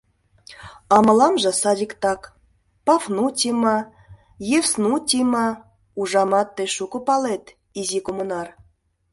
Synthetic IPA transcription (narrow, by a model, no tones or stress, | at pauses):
ɑmɤ̆lɑmʒɤ̆sɑd̪ʲikt̪ɑk | pɑfnutʲimɑ | jefsnutʲimɑ | uʒɑmɑt̪ːeʃukupɑlet̪ | izikomunɑr